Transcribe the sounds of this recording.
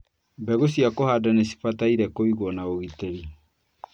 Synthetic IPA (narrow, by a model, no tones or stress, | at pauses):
bɛɣosiakohadanesi̥fataiɾɛkoiɣwɔnaoɣiteɾi